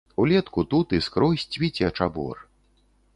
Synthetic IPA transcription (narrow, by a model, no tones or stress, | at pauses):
ulʲɛt̪kut̪ut̪ɨskɾɔsʲt͡sʲvʲit͡sʲiɐt͡ʂabɔ̰r